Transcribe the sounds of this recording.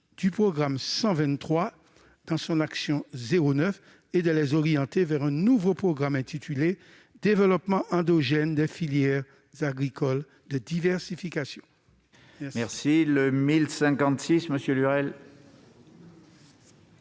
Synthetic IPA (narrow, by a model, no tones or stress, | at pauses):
d̪̥ypχɔɡʁamsɑ̃vɛ̃nt̪χwa | d̪̥ɑ̃sɔ̃naksjɔ̃zeʁonœf | ed̪əlɛzɔʁijɑ̃t̪evɛʁɛ̃nũvopχɔɡʁamɛ̃t̪it̪ʰyle | d̪evəlɔpmɑ̃ʔɑ̃d̪ɔʒɛnd̪ɛfiljɛʁ | zaɡʁikɔl | d̪əd̪ivɛʁsifikasjɔ̰̃ | ɛmɛʁsiləmilsɛ̃kɑ̃t̪sisməsjølyʁɛl